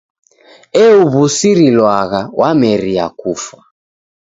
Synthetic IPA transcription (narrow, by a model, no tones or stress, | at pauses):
ɛuβusiɾilwaɣawʔamɛɾiakufa